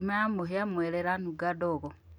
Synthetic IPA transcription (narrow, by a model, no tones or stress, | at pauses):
maamuɦjamweleɾanuɡadoɣo